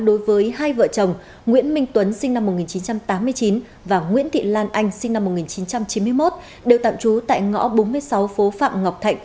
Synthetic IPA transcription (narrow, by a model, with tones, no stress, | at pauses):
ɗo˨˦jvəː˨˦jɦaː˧jvə̰ː˧˨t͡ɕə˨˩wŋ͡m | ŋwḭ˧˥ənmï˧ŋ̟t̪wə˨˦nsï˧ŋ̟na˧mːo˨˩t̚ŋi˨˩nt͡ɕi˨˦nt͡ɕa˧mt̪aː˨˦mːɨ˧əjt͡ɕi˨˦n | vaː˨˩ŋwḭ˧˥ənt̪ʰḭ˧˨laː˧nʔa˧jŋ̟si˧ŋ̟na˧mː˨˩t̚ŋi˨˩nt͡ɕi˨˦nt͡ɕa˧mt͡ɕi˨˦nmɨ˧əjmo˦˥t̚ | ɗe˨˩wt̪a̰ː˧˨mt͡ɕu˨˦t̪a̰ː˧˨jŋɔ̰˧˥ɓo˨˦nmɨ˧əjsa˨˦wfo˨˦fa̰ː˧˨mŋa˨˩wk͡p̚t̪ʰa˧˨jŋ̟̚